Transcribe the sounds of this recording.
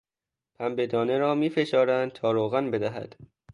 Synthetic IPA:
pʰæmbed̪ɒːneɾɒːmiːfe̞ʃɒːɾænd̪̚t̪ʰɒːɾoːɣænbe̞d̪æɦæ̰d̪̥

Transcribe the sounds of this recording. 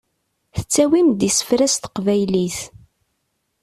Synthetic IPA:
θə̥t͡sːæwimd̪isə̥fɾæst̪ə̥qvæjliθ

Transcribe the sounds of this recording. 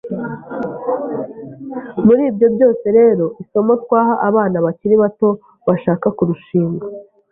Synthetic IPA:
muɾiːbɟo̞bɟo̞ːse̞ɾe̞ːɾo̞ʔiso̞mo̞tkwaːɦaʔaβaːnaβaciɾiβato̞ | βaʃaːkakuɾuʃiːŋɡa

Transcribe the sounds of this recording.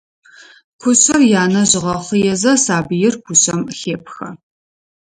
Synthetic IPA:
kʷʰʊɕɐrjaːnɐʑɪʁɐχəjɛzɐsaːbɨjɪrkʷʰʊɕʼɐmxeːpxɐ

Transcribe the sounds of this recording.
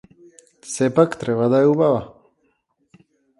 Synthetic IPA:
sepɐkt̪ɾewɐd̪ajubawa

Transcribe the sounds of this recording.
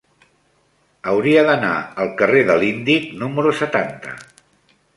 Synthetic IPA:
əwɾiəðəna̰əlˠkəreðəlind̪iknuməɾusət̪ant̪ə̰

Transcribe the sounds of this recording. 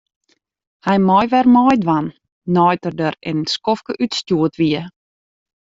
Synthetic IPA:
hɛjmɔjʋɛrmɔjdʋanː | ɔjtərdərɪ̰nskɔfkəʔytstjuətʋiə

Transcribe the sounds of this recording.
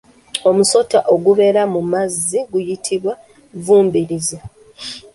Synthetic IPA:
o̞muso̞taʔo̞ɡuβe̞ɾamumazːiɡujitʰiβwa | vuːmbiɾize

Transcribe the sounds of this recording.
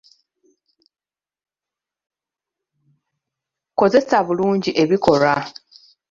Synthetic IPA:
ko̞ze̞saβuluːɲɟiʔe̞βiko̞ɾa

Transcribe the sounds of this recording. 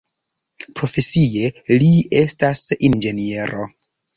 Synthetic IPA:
pɾo̞fe̞sije̞lie̞stasind͡ʒe̞nie̞ɾo̞̰

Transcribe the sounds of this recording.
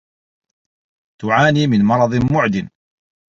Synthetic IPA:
t̪ʊʕaːniːmɪnmɑɾˤɑd̪ˤmʊʕd̪ɪn

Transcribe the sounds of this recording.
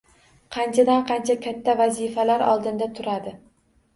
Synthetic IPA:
qʰɑnt͡ʃʰad̪anqʰɑnt͡ʃʰakʲʰat̪ʰːavazifalaɾɒ̰lˠd̪ɪnd̪at̪ʰʊɾad̪ɪ

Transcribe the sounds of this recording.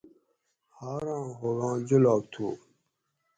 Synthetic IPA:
haːɾɑ̃ːɦoɡɑ̃ːd͡ʑulaːk̚t̪ʰuː

